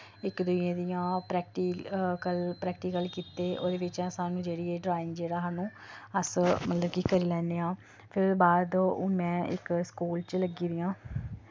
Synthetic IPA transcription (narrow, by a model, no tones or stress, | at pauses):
ɪkd̪ʊiẽːd̪ijãːpɾɛːkʈiːkəlpɾɛːkʈiːkəlkiːt̪eːʔo̰ːd̪eːʋɪt͡ʃãːsaːnũːd͡ʒeːɽiːeːɖɾaːɪŋd͡ʒeːɽaːɦaːnũː | əsmət̪ləbkikəɾiːlɛ̃ːndeːãː | pʰɪɾbaːd̪ʊnmɛ̃ːɪ̰kskuːlt͡ʃləɡiːd̪ijãː